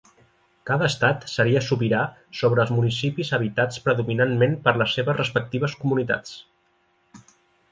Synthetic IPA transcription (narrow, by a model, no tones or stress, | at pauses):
kaðəːst̪at̪səɾiəsupiɾa | soβ̞ɾəːlˠzmunisipizəβ̞it̪at͡spɾəðuminanmenpəɾləsːeβəzrəspək̚t̪iβ̞əskumunit̪a̰t͡s